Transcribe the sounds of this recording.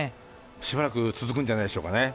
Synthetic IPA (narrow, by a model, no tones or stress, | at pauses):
ɕibaɾakɯ̟t͡sɨzɨkɯ̃ɲ̟d͡ʑanaideɕoːkane